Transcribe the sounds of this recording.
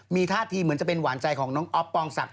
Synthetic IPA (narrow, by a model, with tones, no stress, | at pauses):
miː˧t̪ʰaː˥˩t̪ʰiː˧mɯ˩˦nt͡ɕa˨˩pe˧nwaː˩˦nt͡ɕa˧jkʰɔː˩˦ŋnɔː˦˥ŋŋʔɔ˦˥p̚ːɔː˧ŋsa̰˨˩k̚